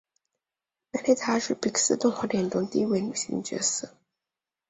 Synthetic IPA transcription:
ma˧˥le˥ɪt̪ʰa˥ʂɻ̩˥˩pi˨˥ks̩˥˧t̪ʊ˥˧ŋxɔ˧˥ljɛ˨˩nʈ͡ʂʊ˧˥ŋt̪i˥˧i˥we˥˩ny˨˩ɕḭ˧˥ŋt͡ɕɛ̰˧˥s̩˥˩

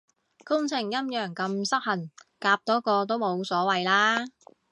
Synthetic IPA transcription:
kʊ˥ŋt͡sʰɪ˨˩ŋjɐ˥mjœː˨˩ŋkɐ˧msɐ˥k̚hɐ˨˩nkaː˧p̚t̪ɔː˨˥kɔː˧t̪̬o˥wmo˨˧wsɔː˨˥wɐ˨jlaː˥

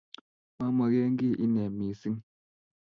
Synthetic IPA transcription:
ma˦ma˨ɣe˦ŋ˦ɡi˦˨ʔi˦nɛ˨mi˨si˦ŋ

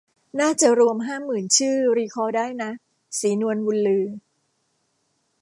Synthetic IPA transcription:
naː˥˩t͡ɕa˨˩ɾu˧əmɦaː˥˩mɯː˨˩nt͡ɕʰɯː˥˩ɾiː˧kʰɔː˧daː˥˩jna˦˥ | siː˩˦nu˧ənwu˧nlɯː˧

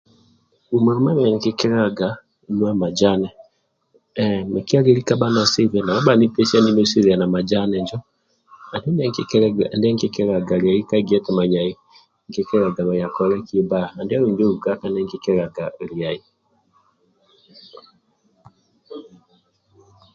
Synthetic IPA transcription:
u˨ma˨ɾɔ˦ma˦mɛ˨ŋ˨ke˦kɛ˦ɾa˨ɡa˨ | nwa˦ma˨d͡ʒa˦nɛ˨ | me˨ki˦a˦ɡe˦ɾi˦ka˦ba˦na˨se˦vɛ˨na˨βa˦ba˨ne˦pɛ˦sa˦ni˦n˦o˦se˦ɾa˨na˨ma˨d͡ʒa˦nɛ˨ɲd͡ʒɔ˦ | a˨do˦ndɛ˦ŋkndɛ˦ŋke˦kɛ˦ɾa˨ɡa˨ɾi˨a˨i˦ka˦ɡi˦ɛ˦tɛ˨ma˨ɲa˨i˦ | ŋke˦kɛ˦ɾa˨ɡa˨βa˨ja˨kɔ˨˦ɾɛ˦ki˦e˦baː˦˨nda˦ɾo˨ɲd͡ʒo˦u˨ka˦ka˨nɛ˦ŋɡe˨kɛ˦ɾa˨ɡa˨ɾi˨a˨i˨

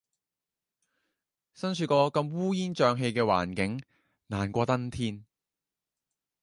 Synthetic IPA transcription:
sɐ˥nsʰyː˧kɔː˧kɐ˧mwuː˥jiː˥nt͡ʃœː˨˧ŋɦe˧jkɛː˧wa̰ː˨˩nkɪ˨˥ŋ | naː˨˩nkʷɔː˧t̪ɐ˥nt̪ʰiː˥n

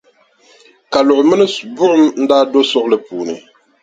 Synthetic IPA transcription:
ka˨lɔ˨mɛ˦nɛ˦sbu˦ʔmn̩˦daː˦do˦sɔ˦klɛ˨puː˨ni˨

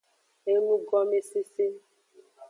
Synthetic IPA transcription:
e˦mũ˦ɡɔ˦me˦se˦se˦

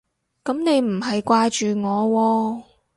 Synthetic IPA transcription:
kɐ˨˥mne˨˧jm̩˨˩ɦɐ˨jkʷaː˧t͡ʃyː˨˩ŋɔː˨˧wɔː˧

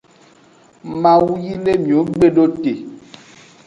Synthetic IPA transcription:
mã˨wu˦ji˦le˦mĩ˨o˨˦ɡ͡be˦ɖo˦t̪e˨

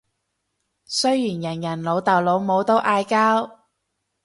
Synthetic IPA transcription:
sɵ˥ɥjiː˨˩njɐ˨˩njɐ˨˩nlo˨˧wt̪ɐ˨wlo˨˧wmo˨˧wt̪o˥wʔaː˧jkaː˥w

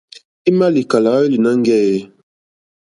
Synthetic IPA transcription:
i˦ma˦li˨ka˨la˨˦i˦li˨na˦ŋ˦ɡɛ˦jɛ˦

